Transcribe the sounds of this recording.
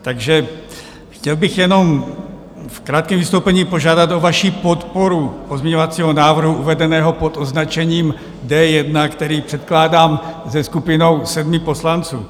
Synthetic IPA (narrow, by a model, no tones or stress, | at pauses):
t̪aɡʒɛ | xcɛlbɪxjɛno̞m | fkɾaːt̪̚kɛmvist̪owpɛɲiːpo̞ʒaːdat̪ovaʃiːpot̪poɾupozmɛɲovat͡siːɦonaːvr̩ɦuʔuvɛdɛnɛːɦopo̞t̪oznat͡ʃɛɲiːm | dɛjɛdnakt̪ɛɾiːpr̥ɛt̪klaːdaːmzɛskupɪno̞wsɛd̪mɪpo̞slant͡sṵː